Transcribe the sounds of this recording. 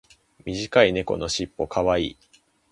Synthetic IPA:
mʲiʑikaine̞ko̞no̞ɕipːo̞kʰaβaḭː

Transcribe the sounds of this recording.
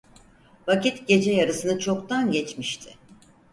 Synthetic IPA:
vacit̪ɟe̞d͡ʒɛjaɾɯsɯnɯt͡ʃʰo̞kt̪ʰanɟɛt͡ʃmiʃt̪ʰɪ

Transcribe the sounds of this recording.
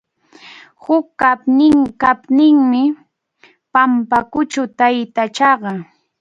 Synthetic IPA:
hʊkːapnɪŋkapnɪŋmɪ | pampakʊt͡ʃʊt̪ajt̪at͡ʃɑɢɑ

